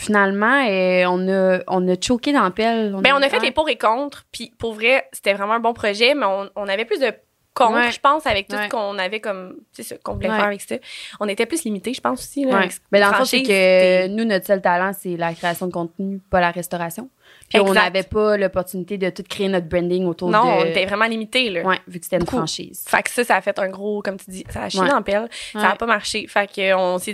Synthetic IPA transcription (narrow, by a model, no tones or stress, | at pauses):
finalmɑ̃ɛɔ̃nɔɔ̃nət͡ʃokʲed̪ɑ̃pɛlɔ̃bɛ̃ɔ̃nəfɛtlepuːʁekɔ̃t̪χpipuʁvʁɛse̥t̪ɛvʁɛmɑ̃ə̃bɔ̃pχɔʒɛmɛɔ̃ːnavɛplʏs̬d̪ə | kɔ̃t̪χʒə̥pɑ̃savɛk̚t̪uskɔ̃navɛkɔmsesɔkɔ̃vulɛfɛːʁavɛkst̪ɛɔ̃net̪ɛplyslimit̪eʒəpɑ̃su̥silɛbɛd̪ɑ̃ɔ̃sɛkənunɔt̪sœlt̪alɑ̃sɛlakχeasjɔ̃d̪əkɔ̃t̪̚nypɔlaʁɛst̪ɔʁasjɔ̃ | piɔ̃navɛpʌlɔpɔʁt̪ynit̪ed̪ət̪ʊt̪kχeenɔt̪̚bʁɛ̃nd̪ɪŋot̪uːʁnɔ̃d̪ɔ̃net̪ɛvʁɛmɑ̃limit̪elʌwɛvykəse̥t̪ɛynffɑ̃ʃḭːz̥fa̰ksʌsaːfɛt̪œ̃˞ɡʁokɔmt̪yd͡z̪isaːʃiɛɑ̃pɛlsaːpɔmaʁʃefakəɔ̃se